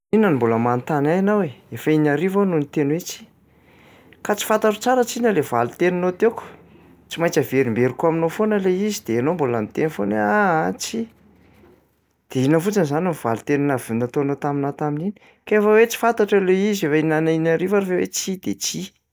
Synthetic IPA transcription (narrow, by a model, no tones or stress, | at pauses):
inənimboləmant̪anajanaweefainaɾivanunit̪enwet͡si̥ | kat͡si̥fat̪aʈ͡ʂḁt͡saɾat͡sinəlevalut̪eninot̪eku̥ | t͡simajt͡səveɾimbeɾikuaminofonəleizid̪̥eanombolamit̪enfonweaat͡si | d̪̥einəfut͡sanizaniniv̥a̰lut̪eninavinat̪onot̪aminat̪aminini̥ | kefəwet͡si̥fant̪aʈ͡ʂaleizefainaninaɾivaɾafewḛt͡sid̪̥et͡si